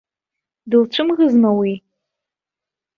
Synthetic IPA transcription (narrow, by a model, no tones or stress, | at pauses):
dɨlt͡ʃʷʰɨmɣɨznawi